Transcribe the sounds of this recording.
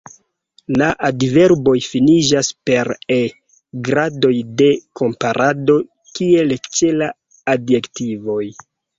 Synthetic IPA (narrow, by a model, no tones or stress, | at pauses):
laʔadve̞ɾbo̞jfinid͡ʒaspe̞ɾe | ɡɾado̞jde̞ko̞mpaɾʔado̞ | kie̞lt͡ʃe̞laː | djektivo̞j